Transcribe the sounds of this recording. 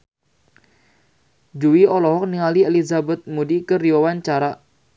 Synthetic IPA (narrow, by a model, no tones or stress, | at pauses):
d͡ʒuwiɔlɔɦɔk̚niŋalielizabət̪̚mudikəɾiowant͡ʃaɾa